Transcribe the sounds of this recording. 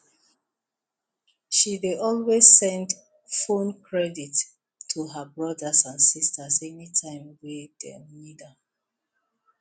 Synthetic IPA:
ʃideʔɔlwez̥sɛ̃nd | fõnkʰɹɛditːʰ | uɦəbɹʌdəsãnsistəsɛnitʰãɪ̃mwidɛ̰mida

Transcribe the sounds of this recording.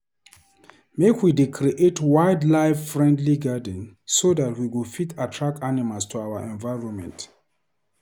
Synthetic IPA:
mekwidekʰɹiʔetwaɪdlaɪffɹɛ̃ndliɡadə̃nsoðatwiwufitatʰɹak̚tanimalstʰuawəʔɛ̃nvaɪɹɔ̃nmɛ̰̃nt

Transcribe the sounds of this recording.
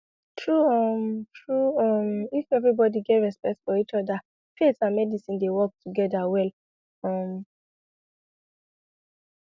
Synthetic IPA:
tʰɹuʌmtʰɹuɔmifɛvɹibɔdiɡevɹɛspɛk̚tsfɔit͡ʃɔda | pʰetsãnmɛdisĩndewɔk̚tʰuɡɛdawɛl | ʌm

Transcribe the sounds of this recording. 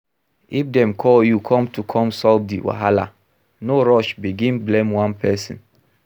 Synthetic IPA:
ifdɛ̃mkʰɔjukʰɔ̃mtʰukʰɔ̃msɔldḭwa̰ɦala̰ | noɹɔʃbiɡĩnblɛ̃mwãnpʰɛsḭ̃n

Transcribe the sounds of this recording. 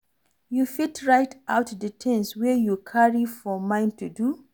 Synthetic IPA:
jufitʰɹajtʰʔawtdətʰɛ̃nswɛjukʰaɹifɔmãɪ̃ntudu

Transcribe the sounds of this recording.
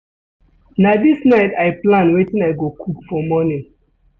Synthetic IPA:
nadisnaɪtaɪplãnwetĩnaɪɡokʰupfɔmɔnĩŋ

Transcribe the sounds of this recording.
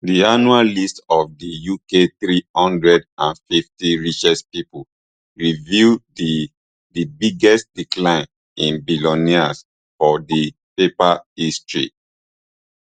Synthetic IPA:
dianuallistɔfdijukeθɹihɔ̃ndɹɛdãnfiftiɹit͡ʃɛspipu | ɹivi | dibiɡɛstdiklãɪ̃n | ĩnbilɔnias | fɔdi | pepaistɹḭ

